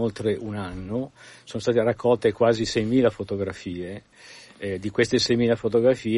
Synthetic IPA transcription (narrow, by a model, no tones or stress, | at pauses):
olt̪ɾeʔunanːosoːnost̪aːt̪erakːɔlt̪ekwaːzisɛjmiːlafot̪oɡɾafiːe | d̪ikwest̪esɛjmiːlafot̪oɡɾafiː